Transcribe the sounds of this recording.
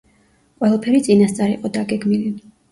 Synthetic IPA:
qʼwɛlˠapʰɛɾit̪sʼinast̪sʼaɾḭqʼɔd̪aɡɛɡmili

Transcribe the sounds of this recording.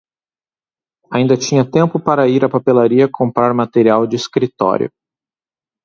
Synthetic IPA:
aĩnd̪ɐt͡ʃĩɲɐt̪ẽmpʊpaɾɐiɾɐpapelaɾiɐkʰõmpɾaɾmat̪eɾiawd͡ʒɪiskɾit̪ɔ̰ɾj̰ʊ̰

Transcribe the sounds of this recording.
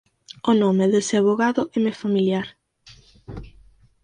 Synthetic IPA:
onomeðeseaβoɣaðʊʔɛmefamiljaɾ

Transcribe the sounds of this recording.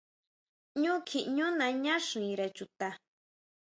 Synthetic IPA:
ɲʊkʰɪɲʊnaɲaʂnɪɾat͡ʃʊt̪a

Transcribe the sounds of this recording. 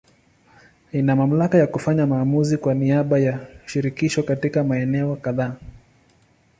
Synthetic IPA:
inamam̩lakajakufaɲamaːmuzikwaniaɓajaʃiɾikiʃɔkatikamaɛnɛɔkaðaː

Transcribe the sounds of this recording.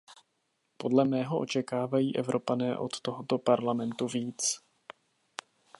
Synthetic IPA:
po̞dlɛmɛːɦo̞ʔo̞̰t͡ʃɛkaːvajiːʔɛvɾʔo̞panɛːʔot̪ːo̞ɦot̪o̞paɾlamɛnt̪uviːt͡s

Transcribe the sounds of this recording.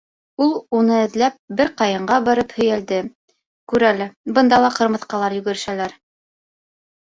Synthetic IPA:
ulˠunɤɘ̆ðlæp̚bɘɾqɑjɤ̆ɴɢɑbɑɾɤphɵ̆jæld̪ɘ | kʉɾælɘbɤ̆nd̪ɑlˠɑqɤ̆ɾmɤ̆θqɑlˠɑɾjɵ̆ɡɵ̆ɾɘ̆ʃælæɾ

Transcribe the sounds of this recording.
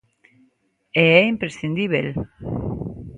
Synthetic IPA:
ɛɛimpɾesθind̪iβḛl

